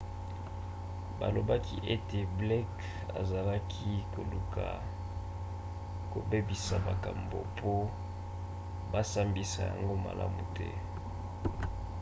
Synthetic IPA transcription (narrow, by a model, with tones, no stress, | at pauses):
ba̰˨lo˨ba˦kʰi˦ʔe˦te˨blɛ˦k | a̰˨za˨la˦kʰi˦ko˨lu˨kʰa˨ | ko˨be˦bi˨sa˨ba˨ka˨mbo̰˨pʰo˦ | ba˦sa˦mbi˨sa˨ja̰˨ŋɡo˦ma̰˨lʔa̰˦mu˨tɛ̰˦